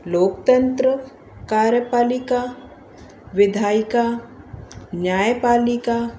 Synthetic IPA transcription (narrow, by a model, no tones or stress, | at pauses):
loːkt̪ə̃nt̪ɾə | kaːɾjəpaːlika | ʋɪd̪ʱaːika | njaːjpaːlɪka